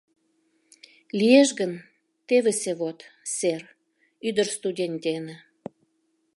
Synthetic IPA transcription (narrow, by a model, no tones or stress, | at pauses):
lijeʃɣən | t̪eβeseβot̪ser | yd̪ərst̪udʲenʲd̪ʲenĕ